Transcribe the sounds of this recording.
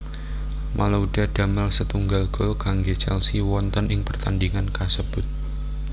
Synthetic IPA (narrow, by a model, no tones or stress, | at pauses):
mʔalaudad̥a̤məlsət̪uŋɡalɡ̥ɔlkaŋɡet͡ʃɛlsiwɔnt̪ənɪŋpərt̪andiŋankasəb̥ʊt̪̚